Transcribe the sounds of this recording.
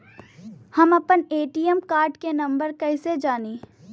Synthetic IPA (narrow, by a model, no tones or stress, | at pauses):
hɐmɐpəneːʈiːəmkaːɾɖkenɐ̃mbəɾkɛɪsed͡ʒaːniː